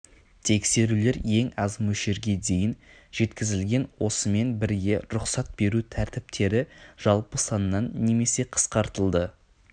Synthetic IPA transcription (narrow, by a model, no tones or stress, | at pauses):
t̪ʰe̞kse̞ɾule̞ɾje̞ŋɑzmɵʃe̞ɾɡʲe̞d̪e̞jɪn | ʒ̥e̞t̪kʲɪzɪlɡʲe̞nwo̞səme̞nbɪɾɡʲe̞ɾʊqsɑt̪̚b̥e̞ɾut̪ʰæɾt̪ɪp̚t̪ʰe̞ɾɪʒ̥ɑlˠpəsɑnəːɑnːe̞me̞se̞qʰə̥sqɑɾt̪əlˠd̪ə